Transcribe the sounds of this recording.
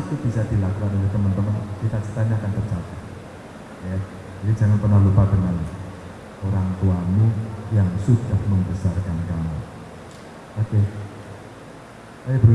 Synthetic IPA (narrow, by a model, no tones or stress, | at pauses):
kub̥isad̪̥ilakukanod͡ʒat̪əmənt̪əmənkit̪at͡ʃə̥t̪aniakant̪ərt͡ʃat̪at̪̚ | aja | d͡ʒad̪id͡ʒa̤ŋanpərnahlupad̪əŋən | oɾaŋt̪uanejaŋsud̥ahməmbəsarkankamu | ʔoke | ajabəɾ